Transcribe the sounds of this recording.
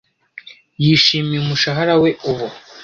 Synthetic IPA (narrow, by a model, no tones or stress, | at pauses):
jiːʃiːmijumuʃaɦaɾawe̞uβu